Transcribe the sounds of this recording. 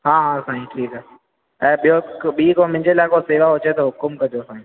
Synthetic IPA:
ɦãːɦãːsaːɦĩʈʰiːkɦɛɦ | ɛ̃ːɓijoɓiːkõmɪ̃ɲd͡ʑelaːkoseːʋaɦot͡ʃet̪oɦʊkʊmkɐd͡ʒosaːɦĩ

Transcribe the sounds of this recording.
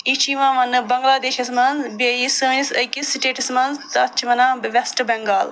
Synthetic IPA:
it͡ʃʰiːʋãːʋɐnːɨbɐŋɡlaːd̪eːʃɐsmɐnzbɐjisɨʋnisɐjkisiʈeːʈɐsmɐnzt̪ɐt͡ʃʰiʋɐnãːʋɛsʈɨbɛŋɡaːl

